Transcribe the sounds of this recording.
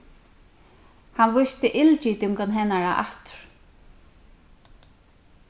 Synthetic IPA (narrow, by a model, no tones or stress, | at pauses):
hanʋʊst̪ɪʔɪlt͡ʃit̪uŋkanɦɛnːaɹa̰ʔa̰ht̪ɹ̥